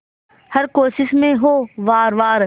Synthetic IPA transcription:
hɐɾkoːʃɪʃmẽɦoːʋaːɾʋaːɾ

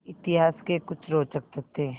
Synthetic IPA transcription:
ɪt̪ɪɦaːskekʊt͡ʃʰɾoːt͡ʃək̚t̪et̪e

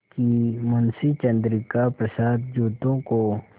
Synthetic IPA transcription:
kimʊnsit͡ʃɐ̃nd̪ɾɪkapɾɐsaːd̪̚d͡ʒuːt̪õko

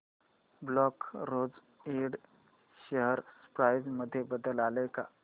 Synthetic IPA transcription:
blɔkɾod͡z | iɽ | ɕəɦəɾspɾajd͡zməd̪ʱːjebəd̪əlaləjka̰

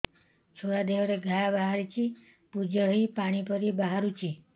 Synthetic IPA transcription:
t͡ʃʰoɽad̪eʋɾeɡʱajabaɦaɾit͡ʃʰi | pud͡ʒəɭipaɽ̃ipəɾibaɦaɾut͡ʃʰi

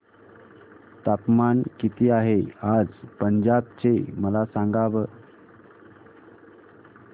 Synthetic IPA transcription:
t̪apmankit̪ʰiːaɦead͡zpəɲd͡ʑab̚t͡ɕeməlasãŋɡaʋəː

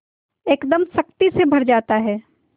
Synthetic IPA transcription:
eːkd̪əmsɐk̚t̪isebʱɐɾd͡ʒaːt̪aɦɛː

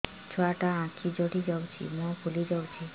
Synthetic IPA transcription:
t͡ɕʰoaʈaãkʰid͡ʑoɽid͡ʑawt͡ɕʰḭmɔ̃bulid͡ʑawt͡ɕʰi

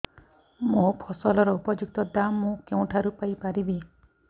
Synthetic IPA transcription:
mõpʰɔsɔlɔɾɔupɔd͡ʒuk̚t̪ɔd̪amːũkew̃ʈʰaɾupajpaɾibi

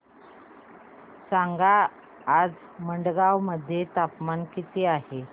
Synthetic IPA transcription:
saŋɡaː | d͡z | məɳɖɡaʋməd̪ʱːjet̪apmankit̪iːaɦe

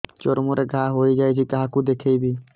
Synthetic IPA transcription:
t͡ʃoɾmoɾeɡʱaːɦoːid͡ʒaːit͡ʃʰikaɦãkud̪eːkʰeibʱiː

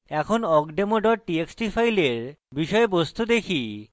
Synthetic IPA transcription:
ɛkʰonɔkɖemoɖɔʈieksʈifʰajleɾbiʃɔebost̪ud̪ekʰi

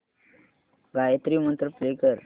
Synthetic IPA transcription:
ɡajət̪ɾimənt̪ɾəpɾekəɾ

